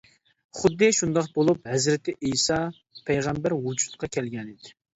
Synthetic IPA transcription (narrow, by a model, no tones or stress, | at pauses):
χʊd̪ːɨʃund̪ɑqbolˠuphɛzɾɪt̪ʰɪʔijsɑ | pʰɛjʁæmbæɾwud͡ʒu̥t̪qʰɑkʲʰɛlɡʲɛnid̪ɪ